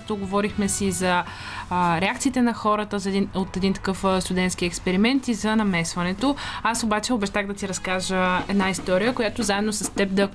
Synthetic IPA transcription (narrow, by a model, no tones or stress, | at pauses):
t̪oɡovɔɾixmɛsizɐ | ɾɛakt̪sit̪ɛnɐxɔɾət̪əzɐɛnot̪ɛd̪int̪ɐ̥kɤfst̪ʊd̪ɛnt̪skʲiɛkspɛɾimɛnt̪izɐnɐmɛsvɐnɛt̪oasobat͡ʃɛobɛʃt̪aɣd̪ɐt̪iɾɐskaʒəɛd̪naist̪ɔɾijəkojat̪ozaɛd̪nosɐst̪ɛb̚d̪ɐ